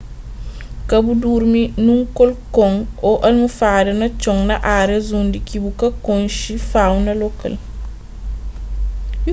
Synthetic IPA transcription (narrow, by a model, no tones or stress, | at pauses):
kɐbuduːɾminuŋkɔlkɔŋɔʔɐlmufaːdɛnɐt͡ʃɔŋnɐʔaːɾɛzundikibukɐkɔŋʃifawnɐlɔkːɐ̰l